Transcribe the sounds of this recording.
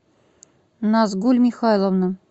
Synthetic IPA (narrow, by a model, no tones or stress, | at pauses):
nɑs̬ɡulʲmʲixɑlˠŏvnɤ̆